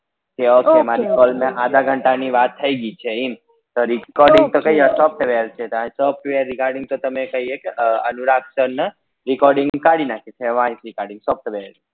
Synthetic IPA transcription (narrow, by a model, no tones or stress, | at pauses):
keokemaɾikɔlmẽʔad̪ʱaɡʱəɳʈaniʋat̪ʰːəiɡit͡ʃʰeim | t̪oɾikɔɾɖɪ̃ŋt̪okəɦiasɔp̚ʈʋeɾt͡ʃʰet̪oãĩsəp̚ʰʈʋeəɾːikaɾɖɪ̃ŋt̪ot̪əmekəɦiekeənuɾak̪sənː | ɾikɔɾɖɪ̃ŋɡkaɽinakʰet͡ʃʰeʋãĩsɾikaɾɖɪ̃ŋɡsɔp̚ʈəʋeɾ